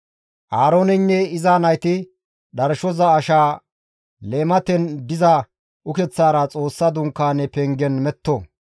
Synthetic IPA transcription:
ʔaːɾo̞ːnɛnːɛɪzaːnɐjt̪ɪ | ɗɐɾʃɔzɐːʃaː | leːmɐt̪ɛnd̪ɪzɐ | ʔʊkɛt͡sːaːɾɐt͡sʼo̞ːsːɐd̪ʊŋkːaːnɛpɛŋɡɛnmɛt̪ːo

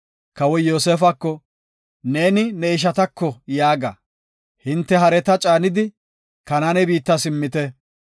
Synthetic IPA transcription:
kɐwɔjo̞ːseːfɐkːɔ | ne̞ːnɪnɛɪʃ̬ɐt̪ɐkːɔjaːɡɐ̰ | hɪnt̪ːɛɦɐɾɛt̪ɐt͡ʃʼaːnɪd̪ɪ | kɐnanɛbiːt̪ːɐsɪmːɪt̪ɛ

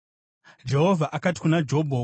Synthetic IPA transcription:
d͡ʒe̞ɦo̞vʱaʔakati̥kunad͡ʒo̞bʱo

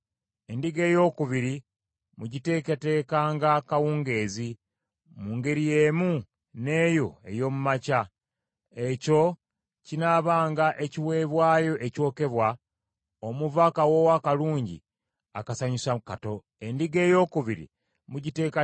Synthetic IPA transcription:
e̞ndiɡe̞ːjo̞ːkuβiɾi | muɟite̞ːkete̞ːkaːŋɡakawuːŋɡe̞ːzi | muːŋɡe̞ɾije̞ːmu | ne̞ːjo̞e̞̰jo̞ːmumaca | e̞co̞ | cinaβaːŋɡaʔe̞ciwe̞ːβwaːjo̞ʔeco̞ːke̞βwa | omuvakawo̞wakaluːɲɟḭ | a̰kasaɲusakato̞ | e̞ndiɡe̞ːjo̞ːkuβiɾḭ | muɟite̞ːka

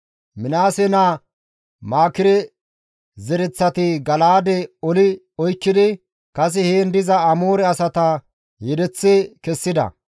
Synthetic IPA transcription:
mɪnaːsɛna | maːkɪɾɛ | zɛɾɛt͡sːɐt̪ɪɡɐlaːd̪ɛɔlɪ | ɔjkːɪd̪ɪ | kɐs̬ɪheːnd̪ɪzɐɐmoːɾɛɐsɐt̪ɐ | jɛd̪ɛt͡sːɛkɛsːɪd̪ɐ̰

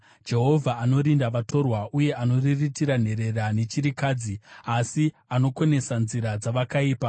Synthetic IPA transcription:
d͡ʒe̞ɦo̞vʱaːno̞ɾindaʋatʰo̞rwaʔuje̞ano̞riritiɾan̤e̞ɾe̞rane̞t͡ʃiɾikaːd͡ziasi | ano̞kwo̞ne̞sanziɾad͡zaʋakaiːpa

